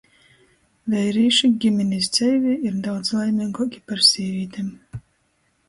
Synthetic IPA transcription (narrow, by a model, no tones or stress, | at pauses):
vɛjɾiːʃiɡʲimʲenʲis̬t̪sʲɛjviiɾd̪awt̪slˠajmʲiɡɔkʲi̥paɾsʲiːvʲiːt̪ʲem